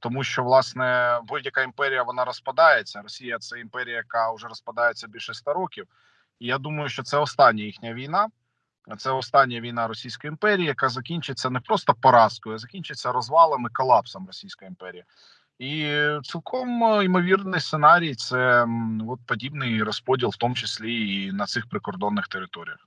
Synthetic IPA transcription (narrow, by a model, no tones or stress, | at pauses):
t̪ɔmuʃt͡ʃɔʋlˠɑsnɛbudʲjɐkaimpɛɾʲijɐʋɔnɑɾɔspɐd̪ɑjet͡sʲːɐɾɔsʲijɐt̪sɛimpɛɾʲijɐjɐkɑʊʒɛɾɔspɐd̪ɑjet͡sʲːɐbʲilʲʃɛst̪aɾɔkʲiw | ijad̪umɐjʊʃt͡ʃɔt̪sɛɔst̪ɑnʲːɐjixnʲɐʋʲijnɑ | t̪sɛɔst̪ɑnʲːjɐʋʲijn̪ɑɾɔsʲijsʲkɔjimpɛɾʲijijɐkazɐkʲinʲt͡ʃɪt͡sʲːɐnɛpɾɔst̪ɔpɔɾɑskɔjʊzɐkʲinʲt͡ʃɪt͡sʲːɐɾɔzʋɑlˠɐmɪkɔlˠɑpsɔmrɔsʲijsʲkɔjɐimpɛɾʲijɐ | it̪silˠkʰɔmimɔʋʲirnɪjst̪senɑɾʲijt̪sɛɔt̪̚pɔdʲibnɪjɾɔspɔdʲilˠwt̪ɔmʊt͡ʃɪsʲlʲiːnɐt̪sɪxpɾɪkɔrd̪ɔnːɪxt̪eɾɪt̪ɔɾʲijɐx